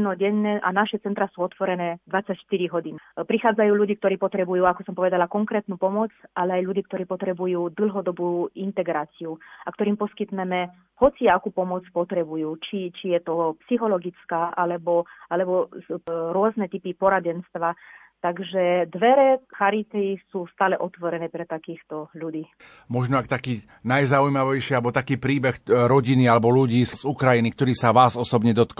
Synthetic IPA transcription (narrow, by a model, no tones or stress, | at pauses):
nɔɟɛɲːɛʔa̰naʃɛt͡sɛnt̪ɾasuːɔt̪ʋɔɾɛnɛːd̪ʋat͡sːacʃt̪iɾiɦɔdiːnpɾixaːd͡zajuːʎuɟiːk̚t̪ɔɾiːpɔt̪ɾɛbujuːakɔsɔmpɔʋɛd̪alakɔŋkɾɛːt̪nuːpɔmɔt͡sʔalɛajʎuɟiːkt̪ɔɾiːpɔt̪ɾɛbujuːd̪l̩ˠɦɔd̪ɔbuːint̪ɛɡɾaːt͡siuakt̪ɔɾiːmpɔskit̪nɛmɛ | hɔt͡siakupɔmɔt͡spɔt̪ɾɛbujuːt͡ʃit͡ʃijɛt̪ɔpsixɔlɔɡit͡skaːʔalɛbɔalɛbɔ | ɾʊɔznɛt̪ipipɔɾaɟɛnst̪ʋa | t̪aɡʒɛd̪ʋɛɾɛxaɾit̪ɛsuːst̪aːlɛʔɔt̪ʋɔɾɛnɛːpɾɛt̪akiːxt̪ɔʎudiː | mɔʒnɔakt̪akiː | najzaujmaʋɛjʃialɛbɔt̪akiːpɾiːbɛxɾɔɟinialɛbɔluɟiːszukɾajinik̚t̪ɔɾiːsaʋaːzɔsɔbɲɛd̪ɔt̪k